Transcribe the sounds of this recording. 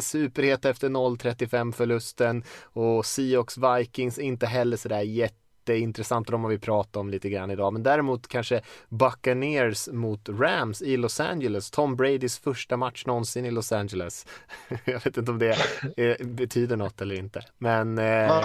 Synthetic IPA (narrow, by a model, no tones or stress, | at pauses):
sʉ̟ːpəɾheːt̪ɛft̪əɳɔlːt̪ʰɾɛt̪ːɪfɛmːfœɭɵst̪ənɔsiːɔksvajkɪŋsɛɾɪnt̪əɦɛlːəʂɔd̪æːɾjɛt̪ːəɪnt̪ɾɛsant̪ːd̪ɔmvavɪpʰɾɑːt̪aɾɔmliːt̪əɡɾanːɪd̪ɑːmɛnd̪æːɾɪmuːt̪kʰanʂəbakːaɳeːɾsmʊt̪ɾæmsɪlɔsæ̰nd͡ʒələst̪ʰɔmːbɾɛɪd̪ɪsfœʂʈamat̪ʂnɔnsɪnɪlɔsænd͡ʒələs | jɑveːt̪ɪnt̪əɔmd̪ɛ | bɛt̪ʰyːd̪əɳɔt̪ʰːɛlːəɾɪnt̪əmɛn